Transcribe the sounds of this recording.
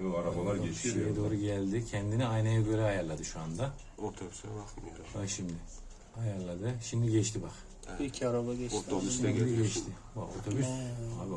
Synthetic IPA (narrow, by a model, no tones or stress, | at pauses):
aɾabalˠaɾɛt͡ʃʃjɛd̪o̞ːɾuɟælʲd̪ɪcʰɛnd̪iniajnaɛbølʲɛajaɾlˠad̪ɯʃuand̪a | ot̪ʰbs | aʃimd̪ɪ | ajaɾlˠad̪ɯʃimd̪iɟɛt͡ʃt̪ʰibaχ | icʰiaɾabaɟɛt͡ʃt̪ob̪iɟɛʃt̪ʰɪ | aot̪ʰobyssa̰b